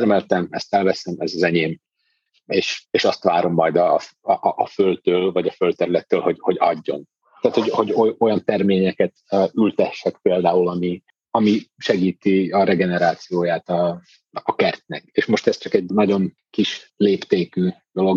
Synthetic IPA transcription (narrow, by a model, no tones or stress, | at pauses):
rmɛlt̪ɛmɛ̰st̪ɛlvɛsɛmɛzɒzɛɲeːm | eːʃeːʃɒst̪ʋa̰ːɾo̞mːɒjd̪ɒʔʔːfølt̪øːlvɒɟɒfølt̪ɛɾylɛt̪ːøːlho̞ɟho̞ɟɒ̰ɟːo̞̰n | t̪aːt̪ho̞ɟho̞ɟoo̞jɒnt̪ɛrmeːɲɛkɛt̪ːylt̪ɛʃːɛkpeːld̪aːulɒmi | ɒmiʃɛɡiːt̪iɒɾɛɡɛnɛɾaːt̪sijoːjaːt̪ɒː | kɛrt̪nɛkeːʃmo̞ʃt̪ɛst͡ʃɒkɛɟnɒɟo̞n | kiʃleːpt̪eːkyːd̪̥o̞lo̞ɡ